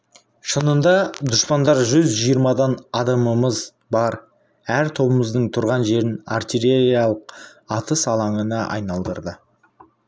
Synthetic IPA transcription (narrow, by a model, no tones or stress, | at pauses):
ʃənənd̪ɑd̪ʊʃpɑnd̪ɑɾʒʏzʒijəɾmɑd̪ɑnɑd̪ɑməməz | bɑɾ | æɾt̪ʰo̞bəməzd̪əɴt̪ʰʊɾʁɑnʒe̞ɾɪnart̪ʲiɾeɾijɑlˠəq̚ɑt̪ʰəsɑlˠɑɴənɑʔɑ̰jnɑlˠd̪ə̰ɾd̪ə